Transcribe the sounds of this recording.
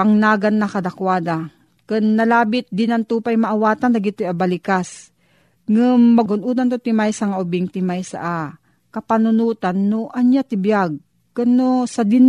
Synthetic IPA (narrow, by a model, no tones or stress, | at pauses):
aŋnaːɡanːɐkɐd̪akwaːd̪a | kɨnːɐlaːbɪt̪̚d̪ɪnɐnt̪uːpajmaʔawaːt̪and̪ɐɡɪt̪ojabɐlɪkas | ŋɨmːɐɡʊnʔuːd̪ant̪ot̪ɪmajsaŋaʔʊbɪŋt̪ɪmajsa̰ʔa | kɐpanʊnuːt̪anːoʔɐɲjat̪ɪbjaɡ̚ | kɐnːosɐd̪ɪn